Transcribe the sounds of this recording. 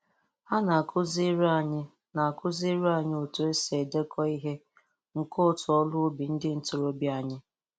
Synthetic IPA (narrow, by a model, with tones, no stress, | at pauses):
ha˦na˨kʊ˦zi˦ɾa˨ɲɪ˦ | na˨a˨kʊ˦zi˦ɾu˦a˨ɲɪ˦o˨to˨e˦se˨de˦kʰɔ˦i˦ɦe˦ | ŋ̩˨ko˦˨tʊ˨ɔ˦lʊ˦bi˨n̩˦dɪ˦n̩˨tʊ˨ɾo˦bi˦a˨ɲɪ˦